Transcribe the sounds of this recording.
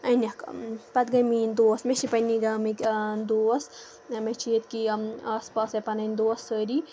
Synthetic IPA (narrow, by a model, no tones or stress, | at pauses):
ɐnʲɐkpɐt̪ɡɐjmiːnd̪oːsmet͡ʃipɐniɡɐmikd̪oːs | met͡ʃʰiet̪kiaːspaːsɐpɐnɐnʲd̪oːsːəɾi